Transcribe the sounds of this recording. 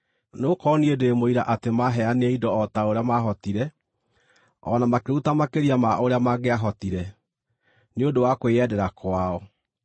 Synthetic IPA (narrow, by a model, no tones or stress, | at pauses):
nokɔniedeemoiɾaʔatemaɦɛaneeidɔɔtaoɾeamaɦɔtiɾɛ | ɔ̰namakeutamakeɾiamaoɾeamaɡeaɦɔtiɾɛ | neodowakweɛdɛɾakʰwaɔ